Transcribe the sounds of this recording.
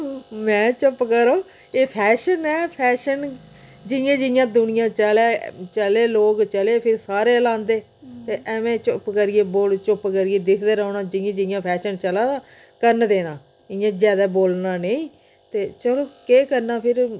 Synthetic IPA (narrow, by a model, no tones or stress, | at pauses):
mɛ̃ːt͡ʃʊpkəɾoː | eːpʰɛːʃənɛːpʰɛːʃən | d͡ʒɪjãːd͡ʒɪjãːd̪ʊnɪjãːt͡ʃəlaːt͡ʃəleːloːkt͡ʃəleːpʰɪɾsaːɾeːlãːnd̪eː | t̪eːʔɛmẽːt͡ʃʊpkəɾieːboːlt͡ʃʊpkəɾiːeːd̪ɪkʰd̪eːɾəːnãːd͡ʒɪjãːd͡ʒɪjãːpʰɛːʃənt͡ʃəlãːd̪aː | kəɾnd̪eːɽ̃ãː | ɪjãːzjaːd̪aːboːlnaːneĩː | t̪eːt͡ʃəloːkeːkəɾnaːpʰɪɾ